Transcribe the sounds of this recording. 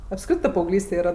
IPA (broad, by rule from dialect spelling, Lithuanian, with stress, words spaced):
ɐpˈskrʲɪtɜ pɐɐʊˈɡlʲiːsʲtʲɛ ˈiːrɐ